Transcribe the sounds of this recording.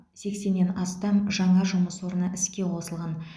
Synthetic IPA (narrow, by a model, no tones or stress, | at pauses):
se̞kse̞nːe̞nɑst̪ɑmʒɑɴɑʒʊməsoɾənəʔɪskʲe̞qʰo̞səlˠʁɑn